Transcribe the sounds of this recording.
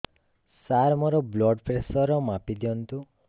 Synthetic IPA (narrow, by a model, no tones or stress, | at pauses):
saɾmɔɾɔblɔɖpɾesɔɾɔmapid̪iɔnt̪u